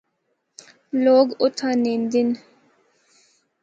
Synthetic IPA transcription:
loːɡʊt̪ʰanind̪in

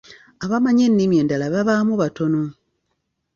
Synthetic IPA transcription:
aβamaɲenːimje̞ːndalaβaβaːmuβato̞no

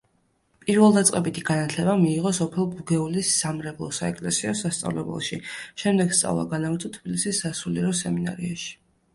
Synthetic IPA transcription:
pʼiɾvɛlˠd̪at̪sʼqʼɛbit̪ʰiɡ̥anat̪ʰlɛbamiːʁɔsɔpʰɛlˠbuɡɛulisːamɾɛblˠɔsaɛkʼlɛsiɔsast̪sʼa̰vlɛbɛ̰lˠʃiʃɛmd̪ɛɡ̥st̪sʼa̰vlˠa̰ɡanavɾt̪ʰɔt̪ʰb̥ilisisːasuliɾɔsɛmina̰ɾiaʃi̥

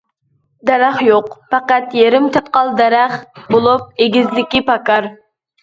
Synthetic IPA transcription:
d̪ɛɾæχjoqfɑqæt̪jeɾɪmt̪ʰɛp̪̚qɑlˠd̪ɛɾæχbolˠup̚eɡʲizd̪ɪkʲipʰɑkɑɾ

